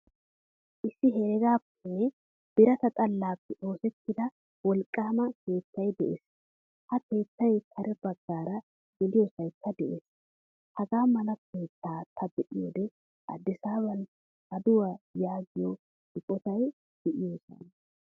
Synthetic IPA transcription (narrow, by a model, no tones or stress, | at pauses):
ʔɪsːɪɦɛɾɛɡaːpːɛ | b̥ɪɾɐt̪ɐt̪ʼɐlːaːpːɛʔo̞ːsɛt̪ːɪd̪ɐ | wɔlkʼːaːmɐke̞ːt̪ːɐjd̪ɛʔḛːs | hɐke̞ːt̪ːɐjkʰɐɾɛbɐɡːaːɾɐ | ɡ̥ɪlɪjosɐjkːɐd̪ɛʔeːs | hɐɡaːmɐlɐkʰe̞ːt̪ːaːt̪ʰɐbɛʔɪjo̰ːd̪ɛ | ʔɐ̰d̪ːɪsaːβɐn | ɐd̪ʊwaːjaːɡɪjo | hɪkʼɔt̪ɐj | b̥ɪʔɪjoːsɐ̰n